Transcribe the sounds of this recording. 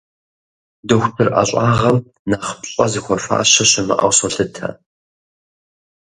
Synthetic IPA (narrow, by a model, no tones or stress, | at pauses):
dɨxʷpʰɨrʔɐ̰ɕʼaːʁɐm | naːχpɕʼɐzixʷɔɕʷa̰ːɕɐɕɪmɐ̰ʔɐ̰wsɔɬɨtʰɐ̰